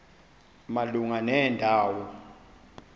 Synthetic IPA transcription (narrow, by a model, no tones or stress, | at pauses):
maluŋanɛːndʱaːwɔ